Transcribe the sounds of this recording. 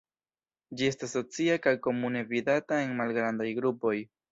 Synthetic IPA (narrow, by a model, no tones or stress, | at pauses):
d͡ʒie̞stasːo̞t͡siakajko̞mune̞vidatae̞nmalɡɾandajɡɾupo̞j